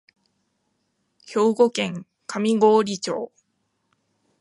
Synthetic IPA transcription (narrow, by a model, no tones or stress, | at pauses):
ço̞ːɡokẽ̞ŋ | kʰamʲiɡoːɾʲit͡ɕo̰ː